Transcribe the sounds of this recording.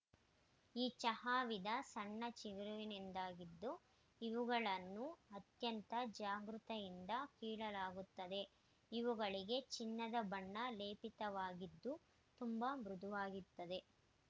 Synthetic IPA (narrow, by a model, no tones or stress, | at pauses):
iːt͡ʃɐɦaːʋid̪ɐsɐɳːɐt͡ʃiʋiɾuʋinind̪aːɡid̪ːu | iʋuɡɐɭɐnːuɐt̪jɐnt̪ɐd͡ʒaːɡɾut̪ɐjind̪ɐkiːɭɐlaːɡut̪ːɐd̪e̞ | iʋuɡɐɭiɡe̞t͡ʃinːɐd̪ɐbɐɳːɐleːpit̪ɐʋaːɡid̪ːu | t̪umbamɾud̪ʱuʋaːɡit̪ːɐd̪e̞